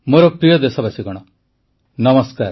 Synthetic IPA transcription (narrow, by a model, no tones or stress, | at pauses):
moːɾɔpɾijɔd̪esɔbasiɡɔɽ̃ɔ | nɐməskaːɾ